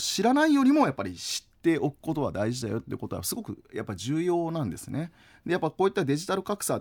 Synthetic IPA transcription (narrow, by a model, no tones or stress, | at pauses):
ɕiɾanaijo̞ɾʲimo̞japːaɾʲiɕi̥t̪ːe̞ʔokɯ̟̥ko̞t̪o̞βa̰d̪aiʑid̪ajo̞t̪ːejiɯ̟ko̞t̪o̞̰asɨɡo̞kɯ̟̰japːaiʑɨːjo̞ːnãnd̪e̞̰sɨne̞ | d̪e̞japːakoːit̪ːad̪e̞ʑit̪aɾɯ̟kakɯ̥sa